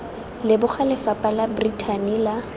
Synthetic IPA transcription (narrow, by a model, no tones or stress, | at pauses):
lɪbʊχʰalɪfapʼalabritʰanila